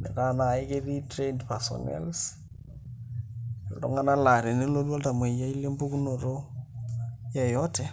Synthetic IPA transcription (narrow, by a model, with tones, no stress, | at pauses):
nḛ˨ka˦na˨ɪ˦ke˦ði˦tɾe˦ndpa˨sɔ̰nɛ̰˦ls | lto̰ŋa˦na˦la˨ɾe˨nɪ˦lo˦dwɔ˦lta˨mwe˨ja˦i˦le˦mbu˦ku˦no˨ɾo˦ | jɛ˦jɔ˦tɛ˨